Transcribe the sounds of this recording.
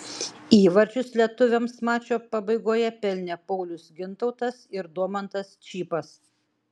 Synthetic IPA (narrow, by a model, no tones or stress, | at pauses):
iːʋɐɾʲt͡ʃʲʊslʲiɛt̪ʊʋʲemsmɑːt͡ʃʲoːpɐbɐɪɡoːjɛpʲɛlʲnʲepɔʊlʲʊsɡʲɪnt̪ɒʊt̪ɐsɪɾd̪uɔmɐnt̪ɐst͡ʃʲiːpɐs